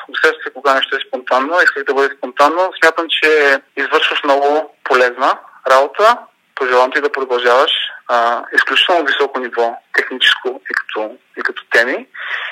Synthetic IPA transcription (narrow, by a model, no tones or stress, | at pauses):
osɛʃt̪əsɛkoɡanɛʃt̪oɛspont̪anːoiskəɣd̪ɐbɤd̪ɛspont̪anːosmʲjat̪əmt͡ʃɛizvɤɾʃvəʃmnɔɡʊpolɛznəɾabot̪ə | poʒɛlˠavmt̪id̪ɐpɾod̪ɐlˠʒavəʃ | isklʲut͡ʃi̥t̪ɛlˠnovisɔkonivɔt̪ɛxnit͡ʃɛ̥skoikɐ̥t̪ʰɔ | ikɐt̪ɔ̥t̪ɛmi